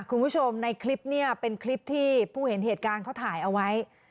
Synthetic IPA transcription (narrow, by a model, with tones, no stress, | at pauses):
kʰu˧npʰuː˦˥˩t͡ɕʰo˧mna˧jkʰli˦˥p̚ni˥˩ɐpe˧nkʰli˦˥p̚t̪ʰiː˥˩pʰuː˥˩he˩˦nɦeː˨˩t̪̚kaː˧nkʰa˥˩wt̪ʰaː˩˦jʔa˧wa˦˥j